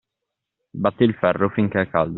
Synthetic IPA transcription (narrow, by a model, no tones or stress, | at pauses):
bat̪ːiːlfɛrːofiŋk̟eɛkːald̪